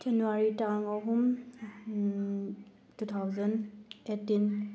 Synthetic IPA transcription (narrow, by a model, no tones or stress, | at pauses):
tʰɛnuaɹitaŋɔɦum | tutʰawzənetːin